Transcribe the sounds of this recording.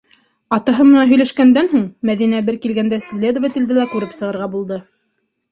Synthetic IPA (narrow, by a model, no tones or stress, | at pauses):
ɑt̪ɑɦɤmɤ̆nɑɦɵ̆jlæʃkænd̪ænɦuɴmæðinæbɘɾkilɡænd̪æslʲed̪ŏvɘt̪ɘ̆ld̪ɘlækʉɾɘpsɤ̆ʁɤ̆ɾʁɑbulˠd̪ɤ